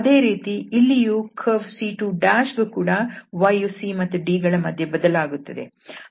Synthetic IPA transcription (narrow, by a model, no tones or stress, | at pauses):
ɐd̪e̞ːɾiːt̪iilːijukʰɐʋsiːʈuɖaːʃɡukuːɽɐʋɐjusimɐt̪ːuɖiːɡɐɭɐmɐd̪ʱjebɐd̪ɐlaːɡut̪ːɐd̪e̞̰